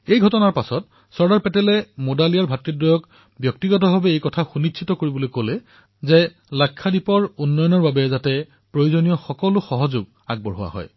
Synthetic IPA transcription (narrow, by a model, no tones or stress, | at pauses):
ejɡʱɔtɔnaɹpasɔt | sɔɹdaɹpɛtɛlɛmodalijaɹbʱatɹidɹɔjɔk | bjɔk̚tiɡɔt̬ɔbʱabɛejkɔtʰaxunitʰitɔkoɹibɔlojkolɛ | zɛ | lakʰːadipɔɹunːɔjɔnɔɹbabɛzatɛ | pɹojuzonijɔxɔkɔlʊxɔɦɔzʊɡ̚ | a̰ɡ̚bɔɹɦʊwa̰ɦɔ̰j